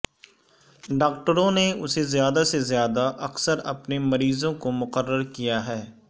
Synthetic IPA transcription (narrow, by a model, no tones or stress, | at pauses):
ɖaːk̚ʈəɾõneʊsezjaːd̪asezjaːd̪aʔɐksəɾɐpnemɐɾiːzõkomʊqəɾːəɾkijaɦɛː